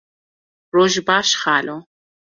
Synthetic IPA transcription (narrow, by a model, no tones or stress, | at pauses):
roʒbaːʃχaːlo